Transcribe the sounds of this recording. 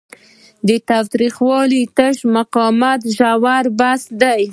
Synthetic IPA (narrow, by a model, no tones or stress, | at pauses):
d̪ət̪awt̪ɾixwɑlit̪əʃmaqɑmat̪ʒawaɾbasd̪aj